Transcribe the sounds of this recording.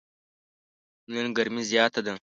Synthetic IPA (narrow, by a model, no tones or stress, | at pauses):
nɨŋɡɐɾmizjaːt̪ʰɐd̪ɨŋ